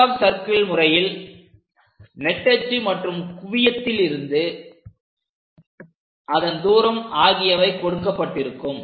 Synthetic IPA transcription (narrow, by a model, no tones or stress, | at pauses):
sɐɾkɐɭmʊrɐjɪl | nɛʈːɐt͡ʃːimɐʈrɯmkʊʋɪjɐt̪ːɪlɪɾɯnd̪ɯ | ʔɐðɐnd̪uːɾɐmaːɣɪjɐʋɐɪkːɔɽɯkːɐpːɐʈːɪɾɯkːɯm